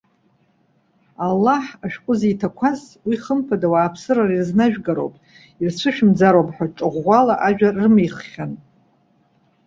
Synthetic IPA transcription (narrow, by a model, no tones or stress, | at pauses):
alːaħaʃᶣqʷʼʊzijtʰakʷʰaz | wiχəmpʰadawaːpʰsɨrarirznaʒᶣɡaɾo̰wpʼ | irsʷʰɨʃᶣmd͡zaɾowpʼħʷᶣaʈ͡ʂʼɨʁʷalaʔaʒᶣarːɨmejχχʲan